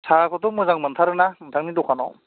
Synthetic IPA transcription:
sʰaɹakʰɔtɔmɯzaŋmɯntʰaɾɯnamɯntʰaŋnidɔkʰanɔ̰

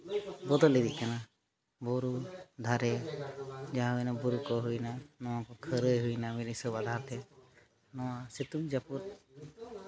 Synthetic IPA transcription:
bɔd̪ɔlːid̪iʔ̚kana | bɔɾud̪ʱaɾɛ | d͡ʒaɦaɛnɔbuɾukɔɦujnanɔwakɔkʰəɾəjɦujnamilisɔbad̪ʱaɾt̪ɛ | nɔwaset̪umd͡ʒapuɾt̪̚

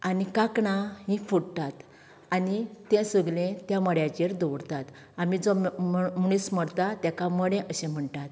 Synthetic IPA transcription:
anikakɳaɦĩfuɽt̪at̪ | anit̪ɛ̃səɡlẽt̪jaməɽjat͡ɕeɾd̪oɽt̪at̪ | amid͡zomɽ̃isməɽt̪at̪jakãməɽẽʔəɕẽm̤əɳʈ̪at̪

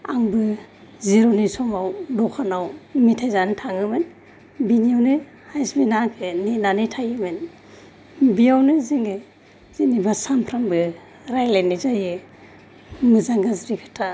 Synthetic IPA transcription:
aŋbɯ | ziɾɔnisɔmawdɔkʰanawmitʰajzanɯtʰaŋɯmen | biniawnɯ | hajsbinakʰɯninanitʰajɯmen | biawnɯziŋɡɯ | z̥inibasampʰɾambɯ | ɾajlenizajɯ | mɯzaŋɡazɾikʰɯ̥tʰa

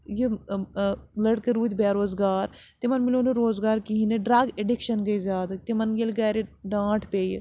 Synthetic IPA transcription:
je | ləɽkeɾuːt̪ʲbaːɾoːzɡaːɾ | t̪emɐnmɪloːneɾoːzɡaːɾkiɦineɖɾɐɡeɖɪkʃənɡəizjaːd̪t̪emɐnɡelɡɛːɾeɖãːʈʰpḛː

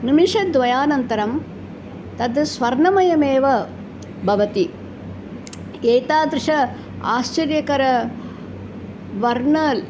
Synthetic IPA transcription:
nimiʂɐd̪ʋɐjaːnɐnt̪ɐɾɐm | t̪ɐd̪sʋɐɾnɐmɐjɐmeːʋɐ | bʱɐʋɐt̪i | eːt̪aːd̪ɾʂɐ | aːst͡ʃɐɾjɐkɐɾɐ | ʋɐɾnɐːl

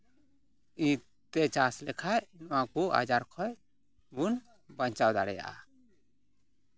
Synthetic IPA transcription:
ĩ | t̪ɛt͡ʃaslɛkʰainwakua̰d͡ʒaɾkʰɔj | bun | baɲt͡ʃawd̪aɽɛja̰ʔa̰

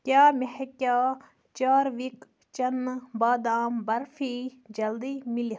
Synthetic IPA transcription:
kʲjaːmehekʲaː | t͡ʃaːɾʋik | t͡ʃɐnbaːd̪aːmbɐɾfʰiːd͡ʒɐld̪iːmili

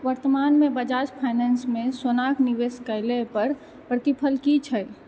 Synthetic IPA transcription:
ʋəɾt̪əmaːnmẽbəd͡ʒaːt͡ʃpʰaɪnɛnsmẽsonaːkniʋeːskəɪlepəɾ | pɾət̪ipʰəlkit͡ʃʰəj

